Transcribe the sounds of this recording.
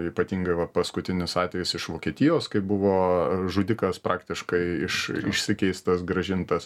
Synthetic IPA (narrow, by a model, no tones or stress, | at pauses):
iːpɐt̪ʲiːŋɡɐɪʋɐpɐskʊt̪ʲɪnʲɪsɑːt̪ʲʋʲɛjɪsɪʃʋoːkʲiɛt̪ʲɪjoːskɐɪbʊʋoːʒʊd̪ʲɪkɐspɾʔɑːkt̪ʲɪʃkɐɪɪʃɪʃʲsʲɪkʲɛɪst̪ɐsɡɾɐʒʲɪnt̪ɐs